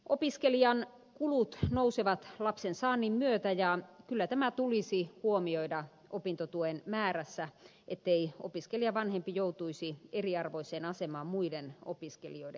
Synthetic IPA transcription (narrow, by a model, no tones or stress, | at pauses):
ʔopiskeliɑn | kulut̪nouseʋɑt̪lɑpsensɑːnːimmyøt̪æjɑkylːæt̪æmæt̪ulisihuomioidɑ | ʔopint̪ot̪uenmæːræsːæ | ʔet̪ːeio̰piskelijɑʋɑnhempijout̪uisieriɑrʋoiseːnɑsemɑːmmuideno̰piskḛlioide